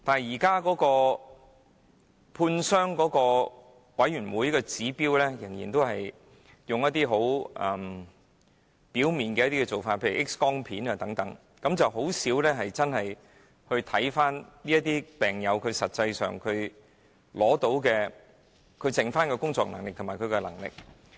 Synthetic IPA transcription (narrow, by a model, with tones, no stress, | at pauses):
t̪aː˨nɦjiː˨˩kaː˥kɔː˨˥kɔː˧ | pʰuː˧nsœː˥ŋkɔː˨˥kɔː˧ | wɐ˨˥jɥyː˨˩nwuː˨˥jkɛː˧t͡siː˨˥piː˥wlɛː˥jɪ̰˨˩ŋjḭː˨˩nt̪o˥wɦɐ˨j | jʊ˨ŋjɐ˥t̪ːiː˥ɦo˨˥wʔɐ̰˨˩m | piː˨˥wmiː˨nkɛː˧jɐ˥t̪iː˥kɛ˧t͡so˨˩wfaː˧t̚pʰeː˧jy̰˨˩ʔɪ˥kskɔː˥ŋpʰiː˨˥naː˧t̪ɐ˨˥ŋt̪ɐ˨˥ŋ | kɐ˨˧mt͡sɐ˨wɦo˨˥wsiː˨˥wlɛː˥ɦɐ˨jt͡sɐ˥nɐ˨j | hɵ˧ɥt̪ʰɐ˨˥jfaː˥nliː˥jɐ˥t̪iː˥pɛː˨˩ŋjɐ˨˧wkʰɵ˨˧ɥsɐ˨t̚t͡sɐ˧jsœ̰ː˨ŋkʰɵ˨˧ɥ | lɔː˨˥t̪o˨˥wkɛː˧ | kʰɵ˨˧ɥt͡sɪ˨ŋfaː˥nkɛ˧kʊ˥ŋt͡sɔ̰ː˧k̚nɐ̰˨˩ŋlɪ˨k̪̚ʰʊ˨˩maː˨˩kʰɵ˨˧kɛ˧lɐ̰˨˩ŋlɪ̰˨k̚